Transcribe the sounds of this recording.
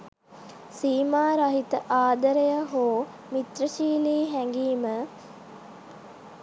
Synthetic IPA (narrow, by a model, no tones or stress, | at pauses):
siːmaːɾaɦit̪əʔaːd̪əɾejəɦoː | mit̪rəʃiːliːɦæŋɡiːmə